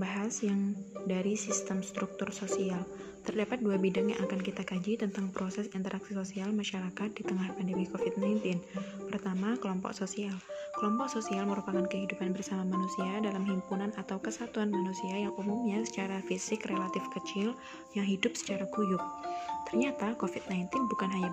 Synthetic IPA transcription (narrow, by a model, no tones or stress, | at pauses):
baɦasjaŋdaɾisist̪əmst̪ɾuk̚t̪ʊrsosial | t̪ərdapat̪̚duabidaŋja̰ŋʔakankit̪akad͡ʒit̪ənt̪aŋpɾosɛsint̪əɾaksisosialmaʃaɾakat̪̚dit̪əŋahpandəmikofɪt̪̚najnt̪ɪnpərt̪amakəlɔmpɔ̰ksosialkəlɔmpɔk̚sosialməɾupakankəɦidupanbərsamamanusiadalamɦimpunanat̪awkəsat̪uanmanusiajaŋʔumumɲasə̥t͡ʃaɾafisɪkrelat̪ɪfkət͡ʃɪl | jaŋɦidʊp̚sə̥t͡ʃaɾakujʊk̚t̪ərɲat̪akofɪt̪̚najnt̪ɪnbukanɦaɲa